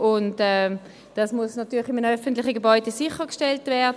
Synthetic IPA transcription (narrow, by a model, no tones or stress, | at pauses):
ʊntɛ | d̥asmuəsnatyːlχɪmənœfəntlɪχəɡebɔʏdesɪχəkʃtɛltvɛɐd